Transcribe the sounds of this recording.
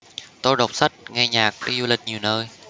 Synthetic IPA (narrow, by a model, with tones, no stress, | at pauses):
t̪o˧jɗo˨˩k͡p̚sa˦˥t̚ŋɛ˧ɲaː˨˩k̚vəː˨˦zu˧lï˨˩k̟̚ɲi˨˩əwnəː˧j